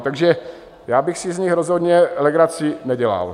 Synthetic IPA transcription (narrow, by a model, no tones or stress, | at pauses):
t̪aɡʒɛ | jaːbɪxsɪzɲɪxɾozɦod̪ɲɛlɛɡɾat͡sɪnɛɟɛla̰l